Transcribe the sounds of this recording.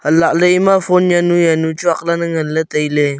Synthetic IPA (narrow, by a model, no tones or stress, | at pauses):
əlaʔləimãfonjanujanut͡ʃuaklanəŋələt̪əile